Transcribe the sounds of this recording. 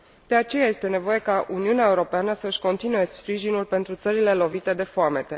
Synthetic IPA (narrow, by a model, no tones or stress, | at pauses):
d̪̥e̞at͡ʃe̞jaje̞st̪e̞ne̞vo̞je̞kaʔuniuneaeuɾo̞peanəsəɨʃʲko̞nt̪inue̞spɾiʒinulpe̞nt̪ɾut̪səɾile̞lo̞vit̪e̞d̪e̞foame̞t̪e̞